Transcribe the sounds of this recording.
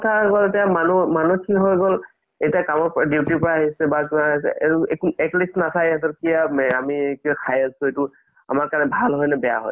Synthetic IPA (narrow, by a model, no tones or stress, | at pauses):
kɔtʰaɡɔltiamanumanukiɦɔjɡɔl | ejtiakamɔɹpɔɹadiwtipɔɹaaɦisɛbakinaɦisɛ̰ʔeuekɛklisnasʰajatɔkijamɛamikiɔkʰajasũetʊ | a̰maɹkaɹnɛbʱalɦɔjnɛbɛja̰ɦɔ̰j